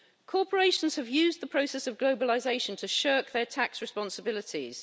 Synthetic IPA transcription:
kʰɔˑpʰəɹeɪʃə̃nz̥əvjʉːzðəpʰɹ̥əʊsɛsəvɡləʊbəlɪzeɪʃə̃ntʰəʃɜˑk̚ðətʰaksɹɪspɒ̃nsəbɪlɪtʰḭz̥

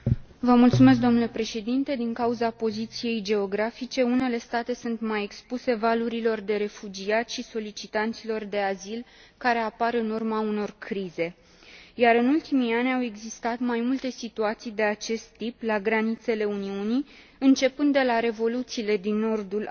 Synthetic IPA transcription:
vəmult̪sumes̬kd̪onule̞pɾe̞ʃe̞d̪int̪e̞d̪iŋkauzapo̞zit̪sije̞jd͡ʒe̞oɡɾafit͡ʃe̞une̞le̞st̪at̪e̞sunt̪maje̞kspuse̞valuɾilo̞rd̪e̞ɾe̞fud͡ʒiat̪ʲʃiso̞lit͡ʃit̪ant̪silo̞rd̪e̞azilkaɾe̞apaɾɨnurmauno̞rkɾize̞ | jaɾɨnult̪imianʲawe̞ɡzist̪at̪majmult̪e̞sit̪uat̪sijd̪e̞at͡ʃe̞st̪ːiplaɡɾanit̪se̞le̞uniuni | ɨnt͡ʃe̞pɨnd̪ːe̞laɾe̞vo̞lut̪siːle̞d̪inːo̞rd̪ul

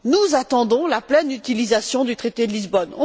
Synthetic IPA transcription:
nuzat̪ɑ̃d̪ɔ̃laplɛnyt̪ilizasjɔ̃d̪yt̪χet̪ed̪əlizbɔnɔ̰̃

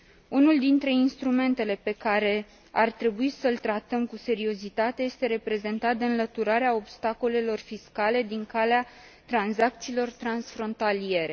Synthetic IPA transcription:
unuld̪int̪ɾe̞inst̪ɾume̞nt̪e̞le̞pe̞kaɾe̞ | a̰rt̪ɾe̞buisəlt̪ɾat̪əmkuse̞ɾio̞zit̪at̪e̞je̞st̪e̞ɾe̞pɾe̞ze̞nt̪at̪̚d̪eɨnlət̪uɾaɾeao̞bst̪ako̞le̞lo̞rfiskale̞d̪iŋkalea | t̪ɾanzak̚t̪siːlo̞rt̪ɾansfɾo̞nt̪alije̞ɾe̞

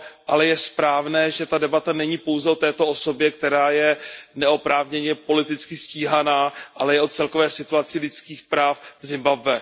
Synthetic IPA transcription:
ʔalɛjɛspɾaːvnɛːʒɛt̪adɛbat̪anɛɲipo̞wzɛo̞t̪ɛːt̪o̞ʔo̞so̞bjɛk̚t̪ɛɾaːjɛnɛo̞pɾaːvɲɛɲɛpo̞lɪt̪ɪt͡skɪsciːɦanaːʔalɛjɛʔot͡sɛlko̞vɛːsɪt̪uat͡sɪlɪt͡skiːxpɾaːfzɪmbabvɛ

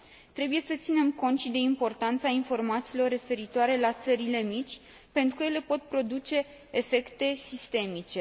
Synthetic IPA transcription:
t̪ɾe̞buje̞sət̪sine̞mko̞nt̪ʃid̪e̞impo̞rt̪ant̪sainfo̞rmat̪siːlo̞rːe̞fe̞ɾit̪oaɾe̞lat̪səɾile̞mit͡ʃʲ | pe̞nt̪ɾukəje̞le̞po̞t̪̚pɾo̞d̪ut͡ʃe̞ː | fe̞kt̪e̞sist̪e̞mit͡ʃe̞

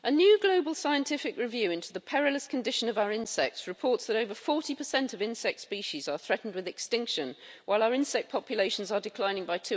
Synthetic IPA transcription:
ʔənjʉːɡloʊbəlˠsaɪə̃ntʰɪfɪkɹɪvjʉːɪ̃ntʰʉðəpʰɛɹələskʰə̃ndɪʃə̃nʌvaʊə˞ɪ̃nsɛk̚tsɹɨpʰɔˑtsðəɾəʊvəfɔɹtipʰəsɛ̃ntəvɪ̃nsɛk̚tspiˑʃizə˞θɹɛʔn̩d̚wɪðɪkstɪ̃ŋkʃə̃nwʔaɪlˠaʊə˞ɪ̃nsɛk̚pʰɒpʰjəleɪʃə̃n̩zədɪkʰl̥ãɪ̃nɪ̃ŋbaɪtʰʉ

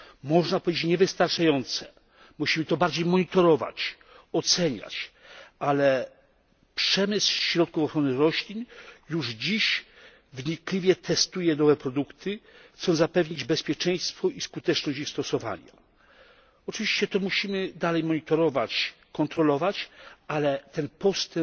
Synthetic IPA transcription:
mɔʐnapɔvʲed͡ʑet͡ɕɲɛvɘst̪aɾt͡ʂajɔnt̪sɛ̥ | muɕimɘt̪ɔbaɾd͡ʑejmɔɲit̪ɔɾɔva̰t͡ɕ | ɔt̪sɛɲa̰t͡ɕ | alɛ | pʂɛmɘswɕɾɔt̪̚kufɔxɾɔnɘɾɔɕlʲinjuʐd͡ʑiɕ | vɲiklʲivʲjɛt̪ʰɛst̪ujɛnɔvɛpɾɔd̪ukt̪ɘxt̪sɔnzapɛvɲid͡ʑbɛspʲjɛt͡ʂɛ̃j̃st̪fɔʔiskut̪ɛt͡ʂnɔɕt͡ɕixst̪ɔsɔva̰ɲa̰ | ɔt͡ʂɨvʲiɕt͡ɕɛt̪ɔmuɕimɘd̪alɛjmɔɲit̪ɔɾɔvat͡ɕ | kɔnt̪ɾɔlɔvat͡ɕalɛt̪ɛnpɔst̪ɛ

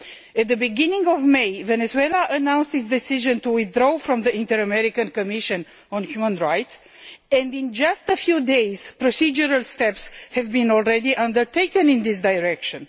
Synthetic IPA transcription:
ɛt̪̚ðəbiɡinĩŋɡɔvmejvenezuelaʔənãwnst̪hisd̪ɛsiʒə̃nt̪uwiθdɾofɾɔ̃mðəĩnt̪əɹəmɛɾikə̃nkomiʃə̃n | ɔ̃nhjumə̃nɹajt̪s | ɛ̃nd̪ĩnd͡ʒast̪əfjud̪ejz̥pɾosid͡ʒuɾalst̪ɛpshɛvbĩnɔlɾɛd̪iʔãnd̪əɹt̪ejkə̃nĩnd̪isd̪ajɹɛkʃə̃n

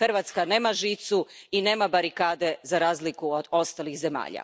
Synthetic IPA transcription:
xrʋat̪skane̞ːmaʒiːt̪suine̞ːmabaɾikaːd̪e̞zaɾaːzlikuod̪o̞st̪alixze̞ma̰ːʎa̰

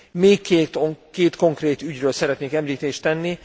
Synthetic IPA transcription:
meːkːet̪keːt̪ko̞ŋkreːt̪yɟrøːlsɛɾɛt̪neːkɛmliːt̪eːʃt̪ɛnːi

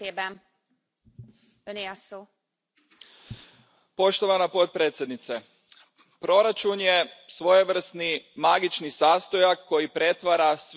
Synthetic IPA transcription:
eːbɛn | øniɒsoː | po̞ʃt̪o̞ʋanapo̞t̪̚pɾet̪sjed̪nit̪se | pɾo̞ɾat͡ʃunjesʋo̞jeʋr̩snimaɡit͡ʃnisaːst̪o̞jakːo̞jipɾe̞t̪ʋaɾas

